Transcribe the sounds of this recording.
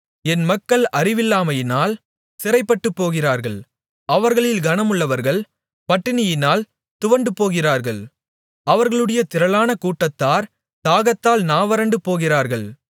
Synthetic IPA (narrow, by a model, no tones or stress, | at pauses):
ɛnmɐkːɐɭɐrɪʋɪlːaːmɐjɪnaːl | sɪɾɐɪpːɐʈːɯpːoːɣɪraːɾɣɐɭ | ɐʋɐɾɣɐɭɪlɡɐnɐmɯɭːɐʋɐɾɣɐɭ | pɐʈːɪnɪjɪnaːl | t̪ʊʋɐɳɖɯpːoːɣɪraːɾɣɐɭ | ɐʋɐɾɣɐɭɯɽɐjɐt̪ɪɾɐlaːnɐkuːʈːɐt̪ːaːɾ | t̪aːɣɐt̪ːaːlnaːʋɐɾɐɳɖɯpoːɣɪraːɾɣɐɭ